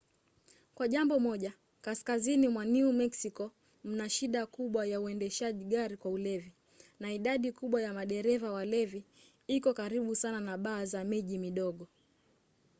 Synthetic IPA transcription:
kwaʄambɔmɔʄa | kaskazinimwaniumɛksikɔ | m̩naʃiɗakuɓwajauɛndɛʃaʄiɠaɾikwaulɛvi | naiɗaɗikuɓwajamaɗɛɾɛvawalɛvi | ikɔkaɾiɓusananaɓaːzamɛʄimiɗɔɠɔ

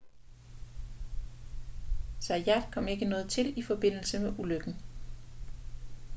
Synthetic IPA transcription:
sæjæd̥kʰɒ̽m̰e̝ɡ̥ənɔ̽ːð̞̩ˠt͡sʰe̝lifɒ̽b̥e̝n̰l̩səmeʔuløɡ̥n̩

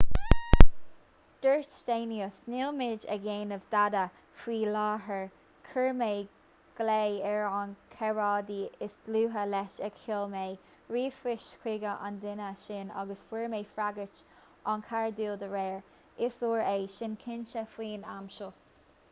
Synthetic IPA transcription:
d̪̥əɹt͡ʃd̥̪eːniəsnɪlmɪd͡ʒə̰ɡeːnəvd̪ad̪ə | fwiːlɑːɦəɹ | kʰəɹmeː | ɡ̥leɛɹankʰɛɹɑːd̪iːɪsd̥luːɦəlɛʃɛɡhɪlmeː | ɹiːfɪʃkʰwɪɡəʔa̰nd̪ɪnəʃɪnɑ̰ɡəsfiɹmeːfɹaɡət͡ʃ | ankʰaɹd̪iːld̪əɹɛːɹ | ɪsuːɹeːʃɪnkʰɪnt͡ʃəfwiːna̰mʃo

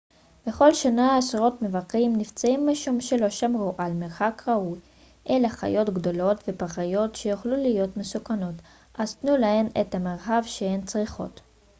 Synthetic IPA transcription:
b̥e̞χo̞lʃanaːsʁo̞tme̞vakimnift͡saimːaʃumʃe̞lo̞ʃamʁuʔalmeʁχakʁauj | ʔe̞laχa̰jo̞tɡdo̞lo̞tvepaχajo̞tʃe̞joχlulijo̞tme̞sukano̞t | azt̪nulahe̞nḛthameʁxavʃeent͡sʁiχo̞̰t

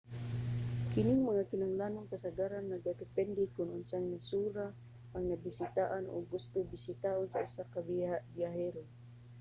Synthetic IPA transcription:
kɪnɪŋmaŋakɪnaŋlaːnoŋkasaɡaɾanːaɡat̪ɪpɛnd̪ɪkʊnʔʊnsaŋnasuːɾaː | ŋnabɪsɪt̪aʔanʔo̰ɡːʊst̪ʊbɪsɪt̪aʔʊnsaʔʊsakabiaʔbjaɦɛɾo

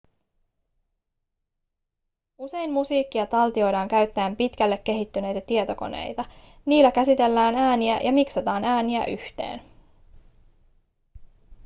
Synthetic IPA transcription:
use̞jmmusiːkːiɑt̪ɑlt̪io̞jɾɑːŋkæɥt̪ːæːmpit̪kælːe̞kːe̞ɦit̪ːyne̞jt̪æt̪iet̪o̞ko̞̰nḛjt̪ɑ | niːlːækæsit̪e̞lːæːnæːniæjɑmiksɑt̪ɑːnæːniæ̰ʔyht̪e̞̰ːn

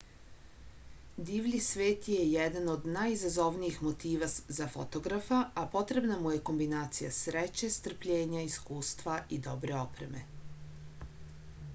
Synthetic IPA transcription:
d̪iːʋʎʲisʋeːt̪jejed̪ano̞d̪najizazo̞ʋnijixmo̞t̪iːʋazafo̞t̪o̞ɡɾafaapo̞t̪ɾe̞bnamuje̞ko̞mbinaːt̪sijasɾet͡ɕe̞st̪r̩pʎe̞ːɲaiskuːst̪ʋaʔid̪o̞bɾe̞o̞pɾe̞me̞̰

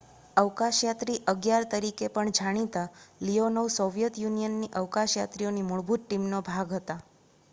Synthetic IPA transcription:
əʋkaʃjat̪ɾiʔəɡjaɾt̪əɾikepəɳd͡ʒaɽ̃it̪alionəʋsoʋjət̪junijənːiʔəʋkaʃjat̪ɾionimuɭbʱut̪̚ʈimnobʱaɡɦət̪a

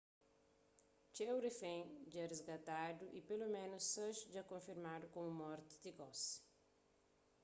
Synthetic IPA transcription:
t͡ʃ̪ewɾefẽd͡ʒɛrezɡat̪ad̪ʊʔipelomẽnʊsːɐ̃ʃd͡ʒakõfiɾmad̪ʊkõmʊmɔɾt̪ɪ̥d̪ɪɡɔs

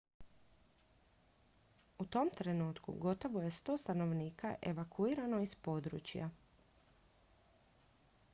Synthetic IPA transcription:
ut̪o̞mt̪ɾe̞nuːt̪kṵɡo̞t̪o̞ʋo̞je̞st̪o̞ːst̪ano̞ʋniːka̰ʔe̞ʋakʰuiːɾano̞ispo̞d̪ɾṵt͡ɕja̰

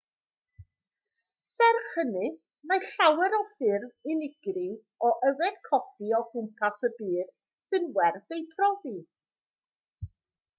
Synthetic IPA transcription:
sɛrχənɨ | maɬawɛɾɔfɪrðɪnɪɡrɪ | ɔʔɛwɛd̥kʰɔfiɔhʊmpʰasəbiːð̥ | sɨnwɛrθejpʰrɔvi

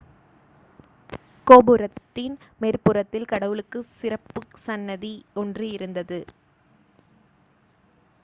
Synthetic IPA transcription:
koːbɯɾɐt̪ːɪnmeːrpɯrɐt̪ːɪlkɐɽɐʋɯɭɯkːɯsɪrɐpːɯsɐnːɐðiɔndrɯɪɾɯnd̪ɐðɯ

